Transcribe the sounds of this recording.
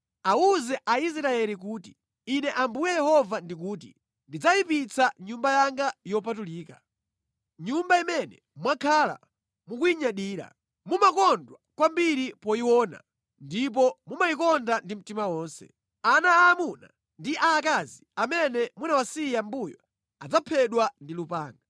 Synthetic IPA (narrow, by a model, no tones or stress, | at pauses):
auzɛʔais̬ɾaɛlik̬uːti̥ː | nɛʔambujɛjɛhɔvandik̬uːt̬ḭ | ndid͡zajipit͡saɲumbajaŋɡajɔpatuliːka | ɲumbaimɛnɛ | mwakʰala̰ | mukujiɲaɗiːɾa̰ | mumakɔndwakwambiɾipɔiwɔːna̰ | ndip̬ɔmumaikɔndandim̩timawɔːnsɛ̰ | anaːmuna̰ | ndiʔaːkaziamɛnɛmunawasijambujɔ | ad͡zapʰɛɗwandilupaːŋɡa